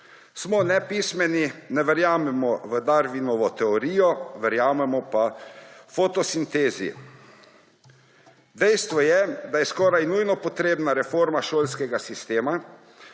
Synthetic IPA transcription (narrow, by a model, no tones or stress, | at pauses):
smɔnɛpiːsmɛninɛʋɛɾjaːmɛmɔʋəd̪aɾʋinɔʋɔt̪ɛɔɾiːjɔʋɛɾjaːmɛmɔpafot̪ɔsint̪eːzḭ | d̪ɛjst̪ʋɔjɛd̪ajɛskɔːɾajnujnɔpɔt̪ɾeːbnaɾɛfoɾmaʃoːlskɛɡasist̪eːma